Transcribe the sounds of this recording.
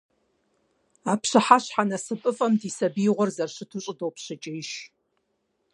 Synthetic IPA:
aːpɕɨħaɕħanɐsɨpʼɨfʼɐmdiːsɐbiːʁʷɔrzɐrɕɪtʰuɕʼɪdowpɕɐt͡ʃʼɪjɪʃ

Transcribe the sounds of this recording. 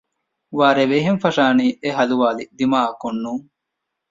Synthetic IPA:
ʋaːɾeʋeɦenfɐʂaːniːʔeɦɐluʋaːlid̪imaːɐkunːuːŋ

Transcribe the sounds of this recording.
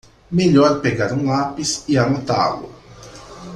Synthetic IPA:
meʎɔɾpeɡaɾũŋapisiamot̪a̰lʊ̰

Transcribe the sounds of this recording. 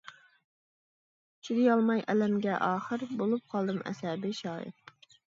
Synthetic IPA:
t͡ʃʰyd̪ɪjɑlˠmɑjʔɛlɛmɡʲɛʔɑːχəɾbolˠup̚qʰɑlˠd̪ɨmʔɛ̰sɛbɪʃɑːjɪ̰t̪

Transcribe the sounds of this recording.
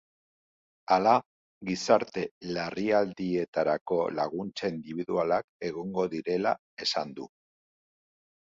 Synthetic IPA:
ala | ɣisaɾt̪e̞lariald̪ie̞t̪aɾako̞laɣunt͡saind̪iβiðualake̞ɣoŋɡo̞ðiɾe̞la | e̞sand̪u

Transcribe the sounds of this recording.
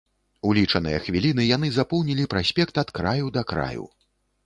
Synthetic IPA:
ulʲit͡ʂɐnɨ̰jɐxvʲilʲin̪ɨjan̪ɨzapɔwnʲilʲipɾasʲpʲɛkt̪ɐt̪kɾajud̪ɐkɾa̰jṵ

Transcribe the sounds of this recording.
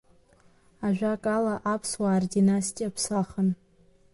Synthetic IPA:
aʒᶣakʼalaʔapʰswaːrdinastʼijapʰsaχən

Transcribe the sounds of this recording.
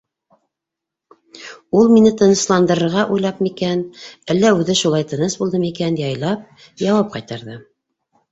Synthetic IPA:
ulˠminɘt̪ɤ̆nɤ̆slˠɑnd̪ɤ̆ɾɤ̆ɾʁɑʔujlˠɑpmikænælːæʉðɘʃulˠɑjt̪ɤ̆nɤsbulˠd̪ɤmikænjɑjlˠɑp̚ | jɑwɑp̚qɑjt̪ɑɾðɤ

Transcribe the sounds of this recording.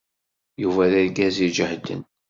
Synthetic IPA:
juvæðæðɡæzid͡ʒəhd̪ːə̰n

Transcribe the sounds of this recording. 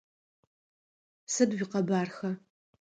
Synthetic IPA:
sɨdwʷiːqɐbaːrxɐ

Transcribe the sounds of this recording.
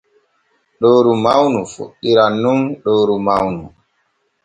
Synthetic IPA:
ɗoːɾumawnufo̰ɗːiɾanːunɗoːɾumawnu

